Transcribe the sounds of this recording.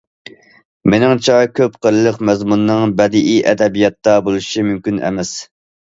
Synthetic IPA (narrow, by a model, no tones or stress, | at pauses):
menɪŋt͡ʃʰɑjkʲʰøpqəɾɨlˠəqmɛzmunːɨŋbɛd̪ʔijʔɛd̪ɛbijɑt̪ːɑbolˠuʃimymkʲynɛ̰mɛs